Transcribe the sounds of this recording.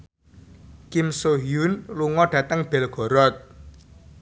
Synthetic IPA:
kimsoɦjunluŋɔɖ̥ä̤t̪əŋb̥ɛlɡ̥ɔ̤ɾɔt̪̚

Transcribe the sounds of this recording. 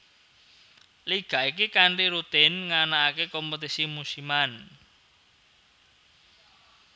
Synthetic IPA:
liɡ̥a̤ik̬ikaɳʈiɾut̪ɪnŋanaːkekɔmput̪isimusiman

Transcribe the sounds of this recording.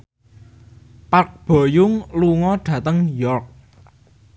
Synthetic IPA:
pak̚b̥o̤jʊŋluŋɔɖ̥ä̤t̪əŋjɔrk̚

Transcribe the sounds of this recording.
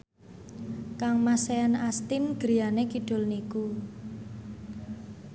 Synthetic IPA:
kaŋmaseanast̪ɪnɡ̥ɾijanekiɖ̥o̤lniku

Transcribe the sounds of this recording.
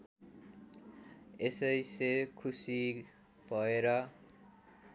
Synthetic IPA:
esʌjsekʰusi | bʱʌeɾʌ

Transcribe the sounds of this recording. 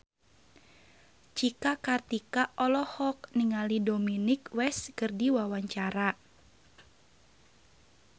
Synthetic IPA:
t͡ʃikakart̪ikaʔɔlɔhɔk̚niŋalidominɪkwɛskərdiwawaɲt͡ʃaɾa

